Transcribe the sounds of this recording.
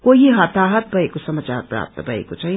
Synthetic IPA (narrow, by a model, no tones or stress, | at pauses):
koɦiɦɐt̪aɦət̪̚bʱʌekosʌmat͡ʃaɾpɾa̰ːp̚t̪əbʱʌḛkot͡sʰʌj̃